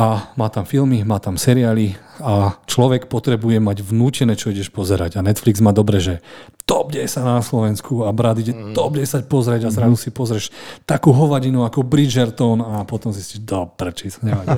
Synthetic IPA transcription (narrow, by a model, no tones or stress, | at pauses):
ʔamaːt̪amfilmimaːt̪amsɛɾiaːliat͡ʃlɔʋɛkpɔt̪ɾɛbujɛmaɟʋnuːcɛnɛːt͡ʃɔiɟɛʃpɔzɛɾa̰ɟanɛt̪fliɡzmaːd̪ɔbɾɛʒɛt̪ɔb̚ɟɛjsanaslɔʋɛnskʰuabɾad̪iɟɛt̪ɔb̚ɟɛjsapɔzɾɛɟazɾazusipɔzɾɛʃt̪akuːɦɔʋaɟinuakɔbɾid͡ʒɛɾt̪ɔnapɔt̪ɔmzisciʒd̪ɔbɾɛt͡ʃisaɲɛbaɟɛ